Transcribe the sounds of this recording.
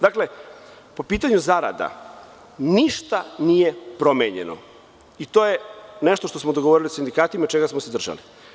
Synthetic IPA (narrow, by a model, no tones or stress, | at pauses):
d̪akle̞ | po̞piːt̪aɲuzaɾa̰d̪a̰ | niʃt̪anijepɾo̞meɲḛno̰ | it̪oːjeneʃt̪o̞ʃt̪osmod̪oɡoʋoɾiliosind̪ikaːt̪imat͡ʃeɡasmosed̪r̩ʒa̰li